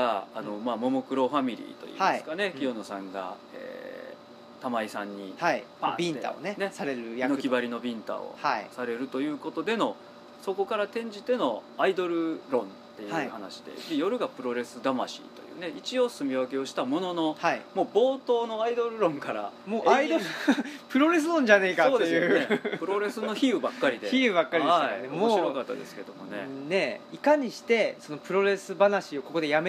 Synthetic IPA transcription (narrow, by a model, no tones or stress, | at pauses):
aːno̞maːmo̞mo̞kɯ̟ɾo̞ɸamʲiɾʲḭːt̪o̞̰ḭːhaisɨ̥kane̞kʲio̞no̞sãŋɡa̰ | ḛː | t̪amaisãɲ̟ːihaiabʲĩnea̰o̰nenesaɾeɾɯjanokʲibaɾʲino̞bʲĩnt̪a̰o̰haisaɾe̞ɾɯ̟t̪o̞jɯ̟ːko̞t̪o̞d̪e̞no̞ | so̞ko̞kaɾat̪ẽ̞ɲ̟d͡ʑit̪e̞no̞aid̪o̞ɾɯ̟ɾõ̞nt̪ːe̞jhaɯiːhana̰ɕi̥d̪e̞̰bʲijo̞ɾɯ̟ɡapɯ̟ɾo̞ɾe̞sɨd̪ama̰ɕḭt̪o̞̰jɯ̟̰ːneit͡ɕio̞sɨmʲiβake̞o̞ɕi̥t̪amo̞no̞no̞haimo̞ːbo̞ːt̪o̞ːno̞aid̪o̞ɾɯ̟ɾõ̞ŋkaɾa̰moːʔaid̪opɯ̟ɾo̞ɾe̞s̬ɨɾõ̞ɲ̟d͡ʑanekasoːd̪ejɯnepɯ̟ɾo̞ɾe̞sɨnːo̞çiɯ̟bakːaɾʲid̪eçiɯbakːaɾʲiaaaneomoɕiɾo̞kat̪ːad̪e̞sɨ̥ke̞d̪omo̞ne̞̰ne̞ikaɲ̟iɕi̥t̪e̞so̞no̞pɯ̟ɾo̞ɾe̞sɨbanaɕio̞ko̞ko̞d̪e̞jame